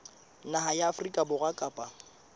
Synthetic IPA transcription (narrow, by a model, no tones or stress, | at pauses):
naɦajaːfrikʼabʊɣakʼaːpʼa